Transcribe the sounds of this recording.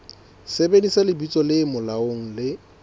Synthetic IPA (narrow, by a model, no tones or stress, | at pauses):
sebedisalɪbit͡sʼɔlɪmʊlaoŋ̩lɪ